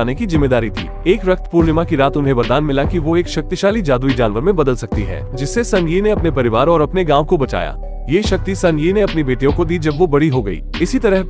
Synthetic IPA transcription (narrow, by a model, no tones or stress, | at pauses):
aːnekizɪmːeːd̪aːɾit̪ʰḭːeːkɾɐk̚t̪puːɾnɪmakiɾaːt̪ʊnɦẽʋɐɾd̪aːnmɪlakiʋoeːkʃɐk̚t̪ɪʃaːlid͡ʒaːd̪uid͡ʒaːnʋəɾmẽbɐd̪əlsɐk̚t̪iɦɛ̰ːd͡ʒɪsːesɐnjineɐpnepɐɾɪʋaːɾɔːɾɐpneɡãːʋ̃kobɐt͡ʃa̰ːja̰ː | jeːʃɐk̚t̪isɐ̃njineɐpnibeːʈijõkod̪iːd͡ʒɐbʋobɐɽiɦoɡɐḭːɪsit̪ɐɾəɦ